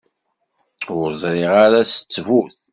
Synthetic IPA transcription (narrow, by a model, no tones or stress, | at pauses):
ʊɾzˤɾɪʁaɾæsə̥t͡sːvuθ